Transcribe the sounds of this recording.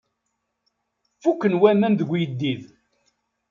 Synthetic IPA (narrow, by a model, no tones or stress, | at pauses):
fukːənwæmænðəɡʷjəd̪ːið